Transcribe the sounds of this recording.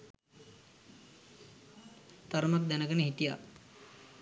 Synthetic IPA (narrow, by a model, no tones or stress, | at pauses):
t̪aɾmak̚d̪ænəɡənəɦit̪ija̰